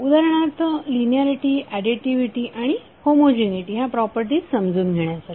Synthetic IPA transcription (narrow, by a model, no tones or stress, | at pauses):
ud̪aɾəɳ̃at̪linijaɾiʈiːʔæɖiʈiʋiʈiːʔaɽ̃i | homod͡ʑeniʈiːɦapɾɔpəɾʈiːt͡ssəmd͡zuːnɡʱeɳjat͡sa